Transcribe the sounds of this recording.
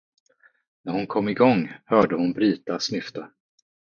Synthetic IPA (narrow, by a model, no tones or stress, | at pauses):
næɾhʊnkʰɔmːɪɡɔŋːhœːɖəhʊnbɾiːt̪asnʏft̪ə